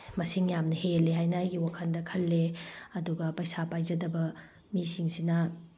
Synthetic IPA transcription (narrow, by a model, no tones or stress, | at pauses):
mɐsiŋjamnɐhelːeɦajnɐajɡiwakʰɐndɐkʰɐlːeɐduɡɐpɐjsapajd͡ʒɐdɐbɐ | misiŋsinɐ